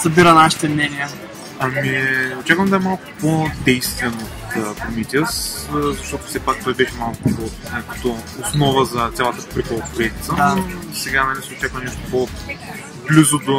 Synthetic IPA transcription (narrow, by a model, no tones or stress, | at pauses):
sɐbiɾənaʃi̥t̪ɛmnʲɛnijə | ɐmiot͡ʃakvəmd̪ɐɛmalˠkʊ̥pod̪ɛjst̪vɛnot̪əpɾomit̪ʲəszɐʃt̪ɔt̪ʊ̥fsɛpak̚t̪ɔjbɛʃɛmalˠkʊpot̪nʲakə̥t̪oːsnɔvəzɐt̪sʲalˠət̪əpɾikolˠpʊɾɛd̪it̪səoisɛɡanɐlʲisɛot͡ʃakvɐnɛʃt̪ʊ̥po | blʲuzʊd̪o